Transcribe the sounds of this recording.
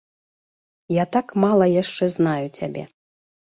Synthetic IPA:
jat̪akmalˠɐjaʂt͡ʂɛznajut͡sʲabʲɛ̰

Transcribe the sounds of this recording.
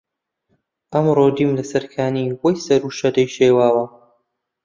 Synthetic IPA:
ʔɐmrod̪iːmlɐsɐɾkʰaːniwojsɐɾuːʃɐd̪ɐjʃeːwaːwɐ

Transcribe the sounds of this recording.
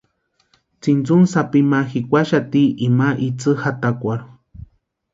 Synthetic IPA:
t͡sint͡sunsapimaxikʷaʃat̪iʔimaʔit͡sɨhat̪akʷaɾu

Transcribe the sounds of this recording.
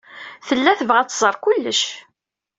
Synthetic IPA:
θəlːæθəvʁæt͡sːzˤəɾˤkʊlːəʃ

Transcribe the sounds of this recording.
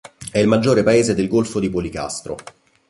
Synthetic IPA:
ɛilmad͡ʒːoːɾepaeːzed̪elɡolfod̪ipolika̰st̪ɾo̰

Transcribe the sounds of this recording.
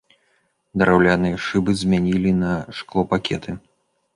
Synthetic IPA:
d̪ɐɾawlʲanɨjɛʂɨbɨzʲmʲanʲilʲinɐʂklˠɔpakʲɛt̪ʰɨ

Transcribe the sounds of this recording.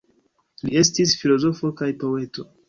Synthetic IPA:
lie̞stisfilo̞zo̞fo̞kajpo̞e̞to̞̰

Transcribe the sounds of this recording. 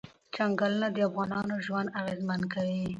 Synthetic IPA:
t͡ʃaŋɡalnad̪əafɣɑnɑnoʒwand̪awezmankawi

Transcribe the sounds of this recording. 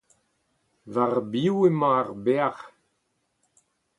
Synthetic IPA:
vaʁbiwemaːʁbeaʁ

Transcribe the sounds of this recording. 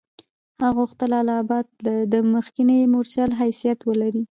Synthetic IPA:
haɣuxt̪əlalɑːbɑd̪̚lad̪əməxkinemoɾsjɑlɦajsijat̪wəlaɾi

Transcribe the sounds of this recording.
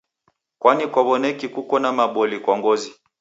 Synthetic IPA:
kwanikwaβɔnɛkikukɔnamaɓɔlikwaŋɡɔzi

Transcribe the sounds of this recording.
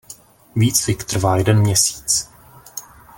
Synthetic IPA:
viːt͡sfɪkt̪r̩vaːjɛdɛnmɲɛsi̥ːt͡s

